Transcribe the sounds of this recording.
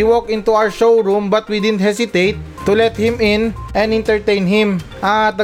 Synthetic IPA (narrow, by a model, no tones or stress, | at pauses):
iwokʔɪ̃nt̪uawə˞ʃowɹumbɐt̪wid̪ɪd̪nt̪̚hɛsɪt̪ejt̪ːulɛt̪̚hɪ̃mɪ̃nʔɛ̃nd̪ɪ̃nt̪ɛɹt̪ẽjnɦɪ̃m | ʔat̪̚ɐ